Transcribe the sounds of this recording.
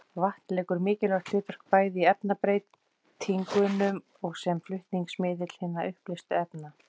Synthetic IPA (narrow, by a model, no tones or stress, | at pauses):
vaht̪lɛːkʏɾmɪːcɪlœɣt̪lɪːt̪œr̥k̚paːjðɪiɛpnapɾeːjt̪ʰː | iŋkʏnʏm | ɔɣsɛmflʏht̪niŋksmɪːðɪt̪l̥hɪnːaʔʏhplɪst̪ʏɛpna